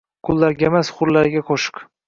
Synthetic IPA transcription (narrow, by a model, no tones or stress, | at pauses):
kʰʊlˠːaɾɡʲemasχʊɾlaɾɪɡʲaqʰoʃɪ̥k